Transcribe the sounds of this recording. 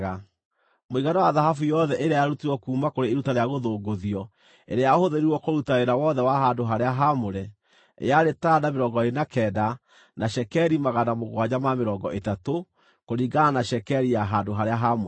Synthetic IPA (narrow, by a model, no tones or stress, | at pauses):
ɣa | moiɣanawaðaɦafujɔðɛʔeɾeajaɾutiɾwɔkuːmakoɾeːɾutaɾeaɣoðoːɡoðiɔ | ḛɾejahoðeɾiɾwɔkoɾutaɾeɾawɔðɛwaɦandoɦaɾeaɦamoɾɛ | ḛjaɾetaːdameɾɔːɡɔeenakɛːda | naʃɛkɛɾimaɣanamoɣwaɲamameɾɔɡɔʔetato | koɾiːɡananaʃɛkɛɾijaɦandoɦaɾeaɦamo